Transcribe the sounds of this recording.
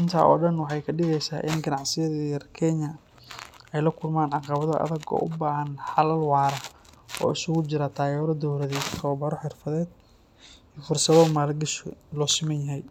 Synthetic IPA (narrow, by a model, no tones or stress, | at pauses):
ʔɪnt̪ʰa̰ːʔɔ̰ːɖɐnwɑħɑjkʰɐɖɪɣɛjsa̰ːʔɪnɡɐnɑʕsɪjɐðɐrkʰɛɲɐ | ɛjlɐkʰʊlmaːnʕɑqɑβɐðɔʔɐ̰ðɐɡɔ̰ːʔʊbaːɦɐnħɑlɐlwɑːɾɐɔ̰ːɪsʊɣʊt͡ʃɪɾat̪ʰaːɣɛːɾɔd̪ɔwɾɐðɛːsʰɔːbɐɾɔħɪrfɐðɛːd̪̚ | iːfʊrsɐβɔmaːlɡɐʃlɔːsɪmɐnjɐɦɛj